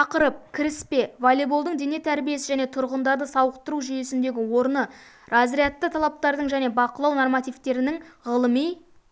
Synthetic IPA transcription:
ɑqəɾəp̚kʲʰɪɾɪspe̞volˠebulˠd̪əɴd̪e̞ne̞t̪ʰæɾbije̞sɪʒæne̞t̪ʰʊɾʁənd̪ɑɾd̪əsɑwəqt̪əɾuʒʏje̞sɪnd̪e̞ɡʲɪwo̞ɾnə | rɑzɾijat̪ːət̪ʰɑlˠɑp̚t̪ɑɾd̪əɴʒæne̞bɑqəlˠɑwnormɑt̪ijvt̪e̞ɾɪnɪŋʁəlˠəmij

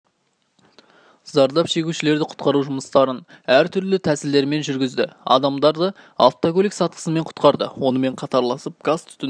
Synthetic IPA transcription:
zɑɾd̪ɑpʃe̞ɡʲuʃɪle̞ɾd̪ɪqʰʊ̥t̪qɑɾuʒʊməst̪ɑɾən | æɾt̪ʰʏɾlɪt̪ʰæsɪld̪e̞ɾme̞nʒʏɾɡʲɪzd̪ɪɑ̰d̪ɑmd̪ɑɾd̪ə | ɑ̰lˠt̪oɡolʲiksɑt̪̚qʰə̥səme̞ɴqʰʊ̥t̪qɑɾd̪ə̰wo̞nəme̞ɴqʰɑt̪ɑɾlˠɑsəp̚ɡ̥ast̪ʰʏ̥t̪ɪ

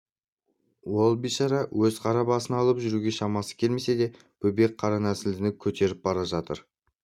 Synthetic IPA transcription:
wo̞lˠbiʃɑɾɑwɵzqʰɑɾɑbɑsənɑlˠəpʒʏɾuɡʲe̞ʃɑmɑsə̥kʲʰe̞lme̞se̞d̪e̞ | b̥ɵbe̞k̚qʰɑɾɑnæsɪld̪ɪnɪkʲʰɵt̪ʰe̞ɾɪp̚bɑɾɑʒɑt̪ə̰ɾ

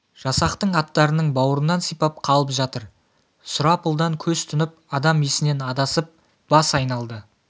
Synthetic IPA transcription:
ʒ̥ɑsɑqt̪əɴɑt̪ːɑɾənəɴbɑwəɾənːɑnsijpɑp̚qʰɑlˠəpʒɑt̪əɾ | sʊɾɑpʊlˠd̪ɑŋkʲʰɵzt̪ʰʏnɪp̚ɑd̪ɑme̞sɪne̞nɑd̪ɑsəp̚ | b̥ɑsɑjnɑlˠd̪ə

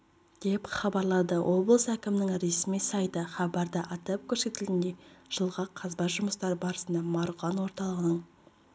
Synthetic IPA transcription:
d̪̥e̞pχɑbɑɾlˠɑd̪əwʔo̞blˠəsækʲɪmɪnɪŋɾe̞smijsɑjt̪əχɑbɑɾd̪əʔɑt̪ɑp̚kʲʰɵɾse̞t̪ɪlɪnd̪e̞ʒ̥əlˠʁɑqʰɑzbɑt̪ʒʊməst̪ɑɾəbɑɾəsənd̪ɑmɑɾuʁɑnwo̞ɾt̪ɑlˠəʁənəɴ

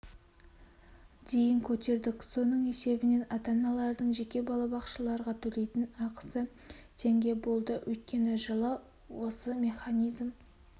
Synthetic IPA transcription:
d̪̥e̞jɪŋkʲʰɵt̪e̞ɾd̪ɪkso̞nəɴe̞se̞bɪne̞nɑt̪ɑnɑlˠɑɾd̪əɴʒe̞kʲe̞bɑlˠɑbɑqʃəlˠɑɾʁɑt̪ʰɵle̞jt̪ɪnɑqə̥sə | t̪ʰe̞ŋɡʲe̞bo̞lˠd̪əwʔɵ̰jt̪̚kʲe̞nɪʒəlˠə | wo̞səmʲe̞χanijzm

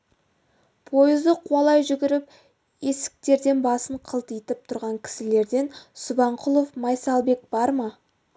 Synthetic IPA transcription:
pʰo̞jɪzd̪əqʰwɑlˠɑjʒʏɡʲɪɾɪp̚ | e̞sɪ̥k̚t̪e̞ɾd̪e̞nbɑsəɴqʰəlˠt̪ijt̪ɪp̚t̪ʰʊɾʁɑŋkʲʰɪ̥sɪle̞ɾd̪e̞nsʊbɑɴqʰʊlˠo̞fmɑjsɑlˠbe̞k̚b̥ɑɾmɑ

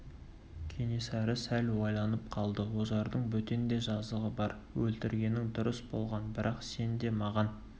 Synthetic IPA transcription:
kʲʰe̞ne̞sæɾɪsælwojlˠɑnəp̚qʰɑlˠd̪əwozɑɾd̪əɴbɵt̪end̪e̞ʒɑzlˠəʁəbɑɾ | wɵlt̪ɪɾɡʲe̞nɪŋd̪ʊɾəsbo̞̰lˠʁɑnbɪɾʔɑqse̞nd̪e̞mɑʁɑn

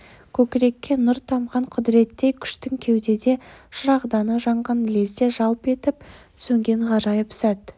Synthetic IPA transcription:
kʲʰɵkʲɪɾe̞kʲːe̞nʊɾt̪ʰɑmʁɑɴqʰʊd̪ɾe̞t̪ːe̞jkʲʰʏ̥ʃt̪ɪŋkʲʰe̞wd̪e̞d̪e̞ʒ̥ʊɾɑʁd̪ɑnəʒɑɴʁɑnlʲesd̪eʒɑlˠpe̞t̪ɪp̚ | sɵŋɡʲe̞ɴʁɑɾɑjəpsæt̪

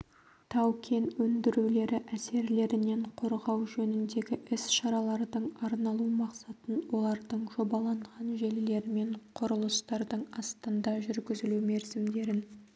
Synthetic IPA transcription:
t̪ʰɑwkʲʰe̞nwɵnd̪ɪɾule̞ɾɪʔæse̞ɾle̞ɾɪne̞ɴqʰo̞ɾʁɑwʒɵnɪnd̪e̞ɡʲɪʔɪsʃɑɾɑlˠɑɾd̪əɴɑɾnɑlˠumɑqsɑt̪ənwo̞lˠɑɾd̪əɴʒo̞bɑlˠɑɴʁɑnʒe̞lle̞ɾɪme̞ɴqʰʊɾəlˠəst̪ɑɾd̪əɴɑst̪ənd̪ɑʒʏɾɡʲɪzɪlume̞ɾzɪmd̪e̞ɾɪn

